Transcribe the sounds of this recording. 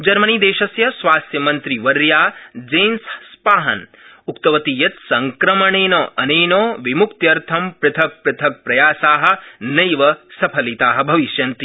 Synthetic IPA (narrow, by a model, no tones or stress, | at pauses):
d͡ʒɐɾmɐniːd̪eːʃɐsjɐsʋaːst̪jɐmɐnt̪ɾiʋɐɾjaːd͡ʒeːnsspaːɦɐ̰n | ukt̪ɐʋɐt̪ijɐt̪sɐŋkɾɐmɐɳeːnoːʔɐneːnoːʋimukt̪jɐɾt̪ʰɐmpɾɨt̪ʰɐk̚pɾɐt̪ʰɐk̚pɾɐjaːsaːɦɐ̆nɐjʋɐsɐpʰɐlit̪aːɦɐ̆bʱɐʋiʃjɐnt̪i